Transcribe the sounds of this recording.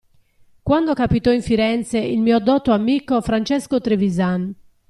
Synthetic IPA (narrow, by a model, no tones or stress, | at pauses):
kwand̪okapit̪ɔiɱfiɾɛnt̪seilmiːod̪ɔt̪oamːiːkofɾant͡ʃɛskot̪ɾevizan